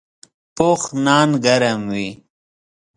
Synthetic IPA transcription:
poːxnaːnɡɐɾɐmwi

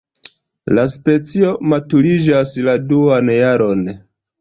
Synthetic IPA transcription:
laspe̞t͡sio̞matuɾid͡ʒasladuanjaɾo̞n

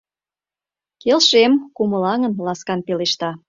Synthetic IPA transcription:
kelʃemkumə̆lɑŋənlɑskɑnpeleʃt̪ɑ

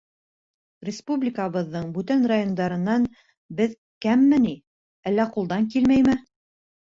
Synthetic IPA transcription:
rʲɪspublʲɪkəβɤ̆ðːɤɴbʉt̪ænrajond̪ɑɾɤ̆nːɑn | bɘð | kæmːɘni | ælːæqulˠd̪ɑŋkilmæjmɘ

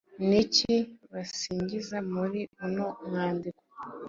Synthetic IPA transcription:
niciβasiːɲɟizamuɾiunomŋaːndiko̥

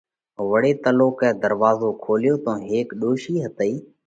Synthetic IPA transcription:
ʋəɽeːt̪əloːkɛ̃ːd̪əɾʋaːzoːkʰoːlɪjoːt̪õːɦeːkɗoːʃiːɦət̪əiː

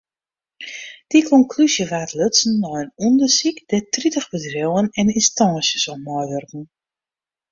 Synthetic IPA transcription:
d̥ikʰɔŋkʰlysjəʋaːtløtsn̩ːɔjənundərsikd̥ɛtritəxbədrɪwənɛninstɑːsjəsɔpmɔjʋørkŋ̩

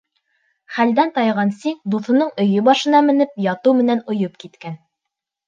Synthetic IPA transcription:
χæld̪ænt̪ɑjʁɑnsiŋd̪uθŏnɤɴɵ̆jɵbɑʃɤ̆nɑmɘ̆nɘp̚jɑt̪ɤwmɘ̆nænŏjop̚kit̪kæn

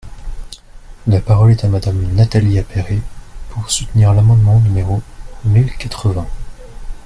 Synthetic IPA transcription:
lapaʁɔlɛt̪amad̪amnat̪aliapeʁepʰuʁsut̪niʁlamɑ̃d̪mɑ̃nymeʁomilkat̪χəvɛ̃

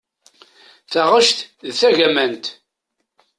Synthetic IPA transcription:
θaʁəʃt̪ðθæʝæmænt̪

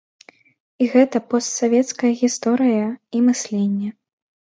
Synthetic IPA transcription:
iɣɛt̪ɐpɔst̪savʲɛt̪skɐjɐɣʲist̪ɔɾɨjɐimɨsʲlʲenʲːɛ

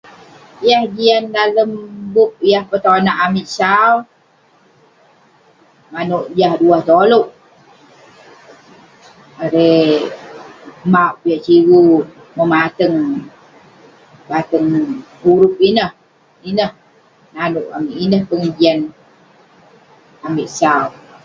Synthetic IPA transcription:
jahɡiandaləmbʊp̚jahpət̪onaʔamiʔsaw | manuʔjahduaht̪oluʔ | aɾe | maʔpijaʔt͡ʃiwu | məmat̪əŋ | bat̪əŋuɾʊp̚inəh | inəh | nanʊʔamiʔinəhpəŋəd͡ʒian | amɪʔsaw

